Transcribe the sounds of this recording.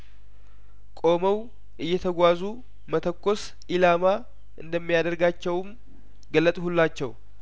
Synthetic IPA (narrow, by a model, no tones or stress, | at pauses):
kʼo̞məw | ʔɨjːɛt̪ʰəɡʷazu | mət̪ʰəkːo̞s | ʔilama | ʔɨnd̪əmːijad̪əɾɡat͡ʃːɛwm | ɡəlːət̪ʼhulːat͡ʃːɛw